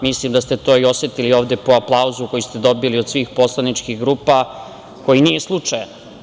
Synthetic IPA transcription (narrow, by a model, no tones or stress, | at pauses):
mislimd̪ast̪e̞t̪o̞ːio̞set̪ilio̞ːʋd̪epoaplˠauzuko̞jist̪ed̪o̞biliod̪sʋiːxpo̞slˠanit͡ʃkixɡɾuːpa | ko̞jinijeslˠut͡ʂajn